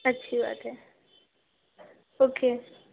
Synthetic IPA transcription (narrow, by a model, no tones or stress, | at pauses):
ətːʃʰiba̰ːt̪ɦɛː | oːkeː